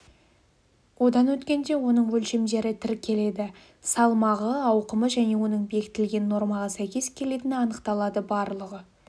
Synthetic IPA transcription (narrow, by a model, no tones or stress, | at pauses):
wo̞d̪ɑnwɵt̪kʲe̞nd̪e̞wo̞nəɴwɵlʃe̞md̪e̞ɾɪt̪ʰɪɾkʲʰːe̞le̞d̪ɪ | sɑlˠmɑʁəɑwqəməʒæne̞wo̞nəɴbe̞kʲɪ̥t̪ɪlɡʲe̞nːo̞ɾmɑʁɑsæjkʲe̞skʲʰe̞le̞t̪ɪnɑnəqt̪ɑlˠɑd̪əbɑɾlˠəʁə